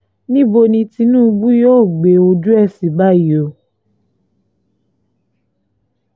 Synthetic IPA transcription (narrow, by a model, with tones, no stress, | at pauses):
nĩ˦bo˧nĩ˧ti˧nũ˦˧ɡ͡bu˦joː˦˨ɡ͡be˨o˧d͡ʒu˦ɛ˦˨si˨ba˦˨i˨˦o˨